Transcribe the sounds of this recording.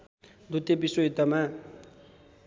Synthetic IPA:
d̪ut̪ebisoɦit̪ːʌma

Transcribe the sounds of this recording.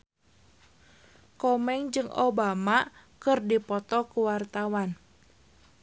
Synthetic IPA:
kɔmɛŋd͡ʒɨŋʔo̰bamakɨrdipɔt̪ɔkuwart̪awan

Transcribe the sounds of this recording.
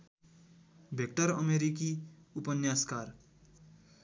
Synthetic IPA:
bʱek̚ʈʌɾʌ̰meɾikiupʌnjaskaːɾ

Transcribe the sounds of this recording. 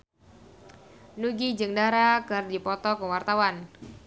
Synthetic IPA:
nuɡid͡ʒɨŋdaɾakɨrdipɔt̪ɔkəwart̪awan

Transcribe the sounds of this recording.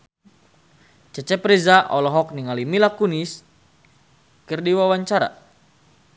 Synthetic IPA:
t͡ʃət͡ʃɛpɾɛzaʔɔlɔɦɔk̚niŋalimilakunis | kərdiwawaɲt͡ʃaɾa̰

